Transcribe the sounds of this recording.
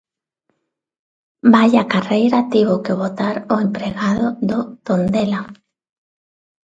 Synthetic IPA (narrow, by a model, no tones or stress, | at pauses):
bajakarejɾat̪eβʊkɪβot̪aɾʊempɾeɣaðʊðʊt̪ond̪ela